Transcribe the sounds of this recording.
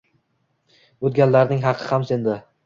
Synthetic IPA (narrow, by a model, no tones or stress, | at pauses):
ot̪̚ɡʲanlaɾnɪŋɦɑqʰɨhamsend̪ɪ